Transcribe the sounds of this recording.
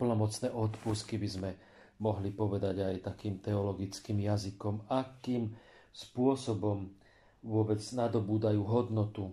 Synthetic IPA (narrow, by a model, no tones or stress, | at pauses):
pl̩nɔmɔt͡snɛːʔɔt̪puskibizmɛ | mɔɦlipɔʋɛd̪aɟajt̪akiːmt̪ɛɔlɔɡit͡skiːmjazikɔmakiːm | spʊɔsɔbɔm | ʋʊɔbɛd͡znad̪ɔbuːd̪ajuːɦɔd̪nɔt̪u